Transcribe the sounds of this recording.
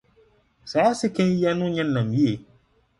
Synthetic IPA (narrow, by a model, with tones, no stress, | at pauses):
saː˨˦sɪ˦kʰɛ̃˦nja˦nʊ̃˦ɲɛ̃˦nːã˨m˨i˦e˨